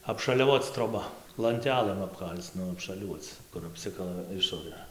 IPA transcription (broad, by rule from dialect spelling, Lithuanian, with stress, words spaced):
ɐpʃɐlʲɛˈʋoːt͡s troːˈbɐ lˠɐnʲˈtʲæːlˠɘm ɐpˈkɐlʲt͡s ˈnʊ ɐpʃɐˈlʲuɔt͡s kʊr ɐpʲˈsʲɪkɐlˠɐ ˈɪʃoːrɘ